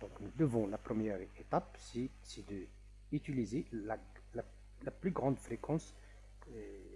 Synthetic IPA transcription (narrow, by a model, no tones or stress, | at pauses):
d̪̥ɔ̃knud̪əvɔ̃lapχəmjɛʁet̪apsi | sid̪ə | yt̪ylizela | la | laplyɡʁɑ̃d̪fʁekʰɑ̃s